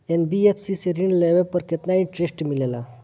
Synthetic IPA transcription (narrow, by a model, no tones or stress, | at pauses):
enbiepsiseɾĩɳɖleʋepəɾket̪naiɳʈɾesʈmilela